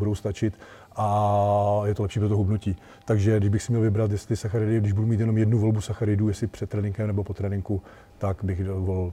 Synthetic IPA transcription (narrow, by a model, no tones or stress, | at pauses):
udowst̪at͡ʃɪt̪ | ʔa | jɛt̪olɛpʃiːpɾot̪oɦubnuciː | t̪aɡʒɛdɪʒbɪxsɪmɲɛlvɪbɾat̪jɛst̪lɪsaxaɾɪdɪɡdɪʒbudumiːt̪jɛno̞mjɛdnuvo̞lbusaxaɾɪduːjɛsɪpr̝̥ɛt̪t̪ːɾɛːnɪŋkɛmnɛbopot̪ɾɛːnɪŋku | t̪akbɪxvolɪl